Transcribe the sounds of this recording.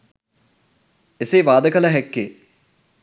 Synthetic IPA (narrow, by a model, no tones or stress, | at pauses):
eseːʋaːd̪əkələɦɛkːeː